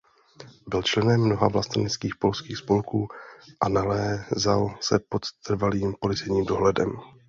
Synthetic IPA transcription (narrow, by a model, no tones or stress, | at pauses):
bɪlt͡ʃlɛnɛmːno̞ɦavlast̪anɪt͡skiːxpo̞lskiːxspo̞lkuːʔanalɛːzalsɛpo̞t̪ːr̩valiːmpolɪt͡sɛjɲiːmdo̞ɦlɛdɛ̰m